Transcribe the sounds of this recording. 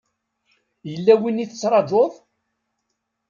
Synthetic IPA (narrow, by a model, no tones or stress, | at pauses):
jəlːæwiniθət͡sːɾˤɑd͡ʒoðˤ